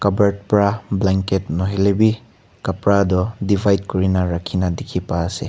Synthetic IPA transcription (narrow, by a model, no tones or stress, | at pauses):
kɐbɐɾt̚pɾablaŋketnoɦelebi | kɐpɾadɔdibʰʱajd̚kuɾinaɾɐkʰːinadikʰipaːsḛ